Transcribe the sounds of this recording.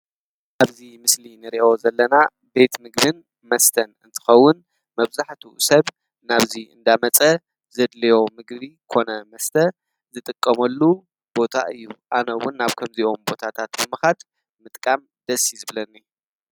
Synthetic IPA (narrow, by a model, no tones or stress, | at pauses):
ʔaβzimɨslinɨɾiʔo̞zɐlːɐna | be̞t̪mɨɡbɨn | mɐst̪ʰɐnɨnt̪ʰɨ̥xɐwːʊn | mɐβzaħt̪ʰṵsɐβ | naβziʔɨ̰nd̪amɐt͡sʼɐ | zɐd̪lɐjo̞mɨɡβikʰo̞nɐmɐst̪ʰɐ | zɨt̪ʼɨkʼːɐmɐlːu | b̥o̞t̪ʰa̰ʔɨjːuʔanɐwʊnːaβkʰɐmziʔo̞mbo̞t̪ʰat̪ʰat̪bɨmɨxat̪ | mɨt̪ʼkʼam | d̪̥ɐsːizɨβlɐnːi